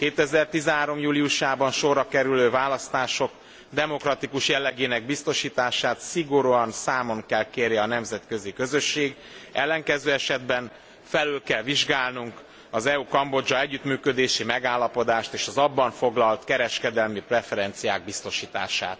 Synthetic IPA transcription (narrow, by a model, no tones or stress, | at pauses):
keːt̪ɛzɛrt̪izɛɦaːɾo̞mjuːlijuʃaːbɒnʃo̞rːɒkɛɾyløːvaːlɒst̪aːʃo̞k | d̪ɛmo̞krɒt̪ikuʃjɛlːɛɡeːnɛɡ̚bist̪o̞ʃiːt̪aːʃaːt̪siɡo̞ɾuɒnsaːmo̞ŋkɛlkeːɾjɛɒnɛmzɛt̪kø̞zikø̞zø̞ʃːeːɡ | ɛlːɛŋkɛzøːɛʃɛd̪bɛn | fɛlyːlkɛlviʒɡaːlnuŋk | ɒzɛukɒmbo̞d͡ʒɒɛɟːyt̪myːkø̞d̪eːʃimɛɡaːlːɒpo̞d̪aːʃt̪eːʃɒzɒbːɒɱfo̞ɡlɒlt̪kɛɾɛʃkɛd̪ɛlmiprɛfɛɾɛnt̪sijaːɡ̚bist̪o̞ʃiːt̪a̰ːʃa̰ːt̪